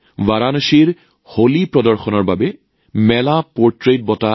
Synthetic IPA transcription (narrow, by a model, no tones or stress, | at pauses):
vaɹanoʃiɹ | holipɹɔdɔɹxɔnɔɹbabɛ | mɛlapɔɹtɹet̚bɔta